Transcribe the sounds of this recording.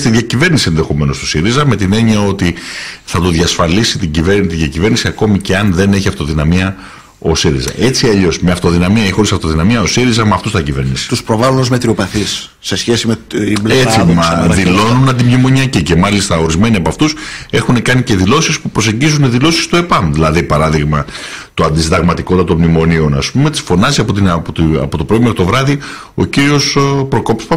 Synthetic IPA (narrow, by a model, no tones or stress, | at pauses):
st̪iðʝɐcive̞ɾnisie̞nðe̞xo̞me̞no̞st̪o̥siɾizɐme̞t̪ine̞ɲiɐo̞t̪iθɐt̪oðʝɐsfɐlisit̪iɟivent̪iðʝɐcive̞ɾnisiɐko̞mice̞ɐnðe̞ne̞çiɐft̪o̞ðinɐmiɐ | o̞siɾḭzɐ̰ʔe̞t͡siɐʎo̞smeɐft̪o̞ðinɐmiɐeçixo̞ɾisɐft̪o̞ðinɐmiɐo̞siɾizɐmɐft̪ust̪ɐcive̞̰ɾnisi̥t̪uspɾovalunozmet̪ɾiopɐθisː | e̞sçesimeet͡siɐðilo̞nunɐnd̪imɲimo̞ɲiɐcice̞mɐlist̪ɐo̞ɾizme̞niɐpɐft̪use̞xune̞kɐnice̞ðilo̞sispupɾose̞ɲɟizuneðilo̞si̥st̪oepɐmðilɐðipɐɾɐðiɣmɐ | t̪uɐnd̪iszd̪ɐɣmɐt̪iko̞t̪t̪ɐt̪o̞nmnimo̞nio̞nɐspume̞t̪i̥sfo̞nɐziɐpot̪inpot̪ɐ̰pot̪o̞pɾoimkot̪o̞vɾɐði | o̞̰ciɾio̞spɾoko̞pspɐ